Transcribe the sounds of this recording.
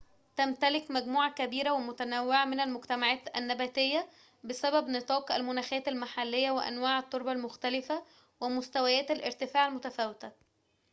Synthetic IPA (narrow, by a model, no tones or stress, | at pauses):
t̪æmt̪ælɪkmæɡmuːʕakæbiːɾæwemʊt̪ænæwːɪʕamɪnælmoɡt̪æmaʕæːt̪æ̰nːæbæːt̪ejːæ | bɪsæbæbnɨt̪ˤɑːqʔæ̰lmʊnæːxæːt̪ælmaħalːejːæweʔæ̰nwaːʕæt̪ˤːoɾbɑlmoxt̪ælɪfæ | wemʊst̪æwæjæːt̪ælʔḛɾt̪ɪfaːʕalmʊt̪æfæːwɪt̪æ